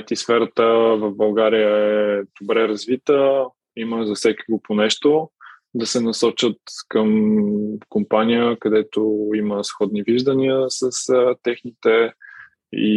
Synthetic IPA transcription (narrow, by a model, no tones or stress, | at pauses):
t̪isfɛɾət̪əvəvbɐlˠɡaɾijəɛɛd̪̥obɾɛɾɐzvit̪ə | iməzɐfsɛkiɡoponɛʃt̪o | d̪ɐsɛnɐsɔt͡ʃət̪kəm | kompanijəkɐd̪ɛt̪oiməsxɔd̪niviʒd̪əniəsəst̪ɛxnit̪ɛ | ḭ